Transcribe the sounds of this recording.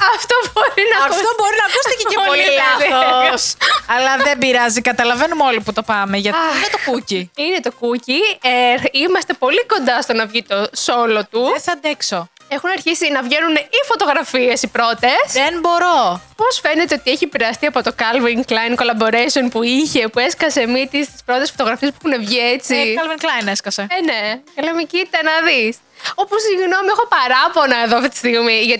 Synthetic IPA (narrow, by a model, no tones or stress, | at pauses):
ɐft̪obo̞ɾinɐɐkftt̪oboɾinɐkust̪eceepolilɐ | sɐlɐðembiɾɐzikɐt̪ɐlɐvenumo̞liput̪o̞pɐmeʝɐt̪inet̪okuciinet̪o̞kuci | imɐst̪e̞po̞liko̞nd̪ɐst̪onɐvʝit̪o̞so̞lo̞t̪uesɐnd̪ekso | exunɐɾçisinɐvʝe̞nunifo̞t̪o̞ɣɾɐfiesipɾo̞t̪e̞senbo̞ɾopo̞sfe̞net̪eot̪ieçiepiɾeɐst̪iɐpo̞t̪o̞kɐlviŋklɐjnko̞lɐbo̞ɾejsonpuiçe̞pue̞skɐse̞mit̪ist̪i̥spɾo̞t̪e̞sfot̪o̞ɣɾɐfiespexune̞vʝie̞t͡siɐlviŋklɐjneskɐseenekɐlemecit̪ɐnɐðis | o̞pusiʝno̞miexo̞pɐɾɐpo̞nɐeðoɐft̪it̪i̥st̪iɣmiʝɐt̪